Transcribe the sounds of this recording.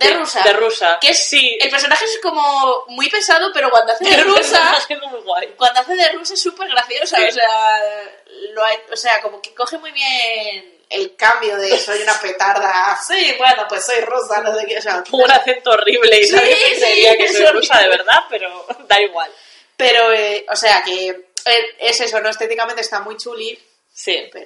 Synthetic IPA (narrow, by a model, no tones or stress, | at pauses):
d̪erusad̪erusakeessielpe̞ɾsonaxeesko̞momipe̞sað̞ope̞ɾokwand̪oaθeðerusamasjend̪omuijɣwajkwand̪oaθeðerus̬aesːupe̞ɾɣ̞ɾaθjo̞saosea | loajose̞ako̞mo̞keko̞xemuijβje̞nn | ḛlkambjoðesojunape̞t̪aɾðassibwenopwe̞sːo̞jroθanosekeos̬aounaθe̞nt̪oːriβ̞le̞itsaiseɾiakesoojrusaðe̞βe̞ɾðape̞ɾod̪aiɣwal | pe̞ɾo̞ʔose̞ake̞ee̞se̞so̞no̞est̪et̪̬ikamẽnt̪est̪amujt͡ʃuli | sipeo